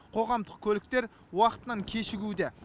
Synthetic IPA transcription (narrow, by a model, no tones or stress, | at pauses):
qʰo̞ʁɑmd̪əqkʲʰɵlɪk̚t̪e̞ɾ | wɑqət̪ənɑŋkʲʰe̞ʃɪɡʲud̪e